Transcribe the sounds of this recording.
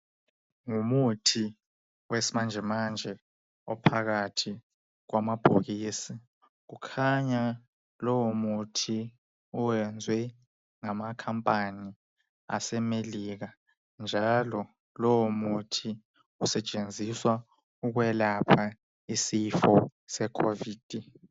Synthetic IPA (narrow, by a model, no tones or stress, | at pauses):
ŋumutʰi | wesimand͡ʒʱɛmand͡ʒʱɛ | ɔ̰pʰaɣatʰi | ɣwamab̥ʱoɣisi | ɣ̬ukʰaɲa | lɔwomutʰi | ɔwɛnd͡zʱwɛ | ŋamakʰampʼani | a̰sɛmeliɣa | nd͡ʒʱalɔ | lɔwomutʰi | usɛt͡ʃʼend͡zʱiswa | uɣwɛlapʰa | isifɔsɛkʰoviːd̥ʱi